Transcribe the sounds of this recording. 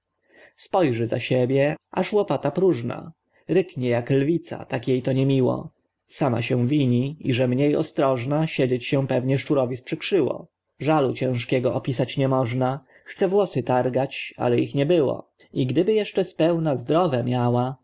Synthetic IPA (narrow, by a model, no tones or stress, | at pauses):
spɔjʐɛza̰ɕebʲjɛʔaʂwɔpat̪apɾuʐna̰ | ɾɘkɲɛjaklvʲit̪sa̰t̪akʲjejt̪ɔɲɛmʲiwɔ̰ | sama̰ɕɛ̃vʲiɲiiʐɛmɲejɔ̰st̪ɾɔʐnaɕed͡ʑet͡ɕɕɛ̃pɛvɲɛʂt͡ʂuɾɔvʲispʂɘkʂɘwɔ̰ | ʐalut͡ɕɛ̃ʂkʲɛɡɔʔɔpʲisat͡ɕɲɛmɔʐna | xt̪sɛvwɔsɘt̪aɾɡat͡ɕa̰lɛixɲɛbɘwɔ̰ | iɡd̪ɘbɘjɛʂt͡ʂɛspɛwnazd̪ɾɔvɛmʲjawa